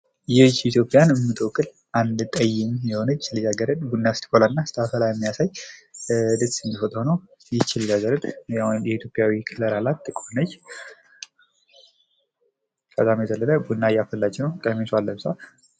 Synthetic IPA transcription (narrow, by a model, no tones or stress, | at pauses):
jɛt͡ʃːit̪ʰjo̞pʼjanɨmːɨt̪ʼowkʼɨl | ʔand̪t̪ʼəjːɪmjɛho̞nət͡ʃːlɨjaɡəɾəd̪ʼbunːast̪i̥kʰʼolanːast̪ʰafəlajɛmːijasaj | d̪ətsɨnd̪ifət̪ʼho̞nəw | jɪt͡ʃːɪljaɡəɾət̪ʼjajɛit̪jo̞pʼjawikʰɨləɾalat̪ʼːɨkʼonəj | kʰʼət̪ʼamjɛt̪ʰəlːələbunːajafəlːad͡ʒɪnəkʼəmeswalːəβsa